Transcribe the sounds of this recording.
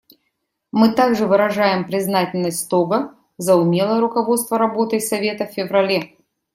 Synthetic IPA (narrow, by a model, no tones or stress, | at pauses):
mɨt̪aɡʐɨvɨɾɐʐajɪmpɾʲɪznatʲɪlʲnəsʲt̪ʲst̪obə | zəʊmʲe̞lˠəjəɾʊkɐvo̞t̪st̪vəɾɐbo̞t̪ɨjsɐvʲe̞t̪əffʲɪvɾɐlʲe